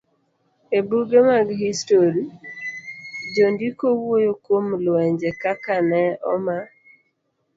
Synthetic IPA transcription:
ebuɡemaɡhistoɾi | d͡ʒondikowwojokwomlɛɲd͡ʒɛkakanɛɔma

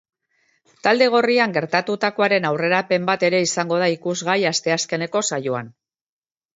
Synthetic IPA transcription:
t̪ald̪e̞ɣ̞o̞riaŋɡe̞ɾt̪at̪ut̪ako̞aɾe̞nawre̞ɾape̞mbat̪e̞ɾe̞isaŋɡo̞ð̞aikuzɣajast̪e̞aske̞ne̞ko̞sajoan

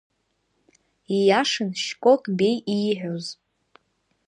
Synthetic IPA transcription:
ijaʂɨnʃkʷʼokʼbejiħʷᶣoz

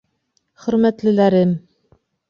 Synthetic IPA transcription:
χɵ̆ɾmæt̪lɘ̆læɾɘm

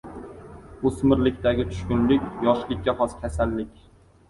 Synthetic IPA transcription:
osmɪɾlɪkʲt̪aɡʲɪt͡ʃ̪ʰʊ̥ʃkʲʊnlɪkʲjɒʃlɪkʲːaχɒskʲʰasalːɪkʲ

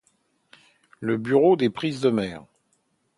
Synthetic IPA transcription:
ləbyʁod̪epχizd̪əmɛːʁ

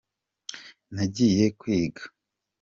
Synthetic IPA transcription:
naɟije̞kwiːɡḁ

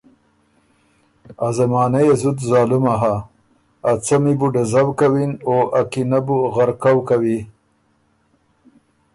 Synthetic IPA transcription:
azamɑːnajezut̪zɑːlumaɦaː | t͡samibuɖazawkawinoʔakinabuɣaɾkawkawi

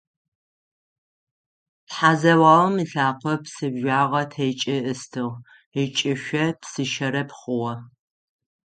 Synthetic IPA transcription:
pħaːzɐwɑːwmiɬaːqʷʰɔpsɨbʒʷaːʁɐtʰejt͡ʃʼɪʔɨstʰɨʁ | it͡ʃʼɪʃʷɐpsɨʃɐɾɐpχʊwɐ

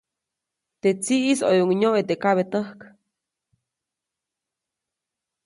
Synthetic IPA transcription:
t̪et͡siʔiso̰joŋɲoʔet̪ekaβet̪əhk

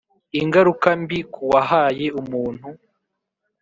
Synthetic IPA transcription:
iŋɡaɾukambikʰuwaɦaːje̞umuːn̥hu

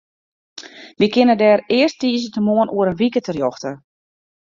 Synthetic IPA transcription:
ʋikɪnədɛːrɪərsttiːzətəmoənʔuəɾənʋikətərjɔxtə

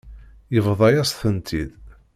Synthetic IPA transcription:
jəvðˤɑjæsθənt̪ʰid̪

